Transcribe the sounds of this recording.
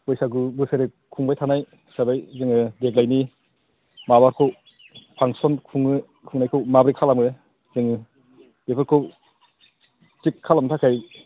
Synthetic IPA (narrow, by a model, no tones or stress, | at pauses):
ɔjsaɡubɯseɾe | kʰuŋbajtʰanaj | sabajzɯŋɯdek̚lajni | maβaɾkʰɯw | pʰaŋsɔnkʰuŋɯ | kʰuŋnajkʰɯwmabɾikʰalamɯ | zɯŋɯ | bepʰɯɾkʰɯw | tikʰːalamtʰakʰaj